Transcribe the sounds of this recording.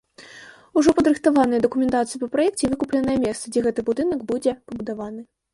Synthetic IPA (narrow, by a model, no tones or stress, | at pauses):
uʐɔpɐd̪ɾɨxt̪avanɨjɐd̪ɐkumʲɛnt̪at̪sɨjipɐpɾajɛk̚t͡sʲɛvɨkuplʲɛnɐjɐmʲɛst̪sɐd͡zʲɛɣɛt̪ɨbud̪ɨnɐɡbud͡zʲɛpɐbud̪avanɨ